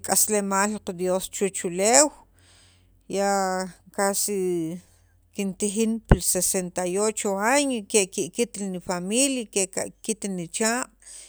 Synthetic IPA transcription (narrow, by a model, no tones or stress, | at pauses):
kʼaslemaːlqd̪jost͡ʃut͡ʃulew | jaʔkasi | kint̪ixinpilsesent̪ajot͡ʃoaɲokeʔkiʔkit̪nifamiljakeʔka̰ʔkit̪nit͡ʃaːqʼ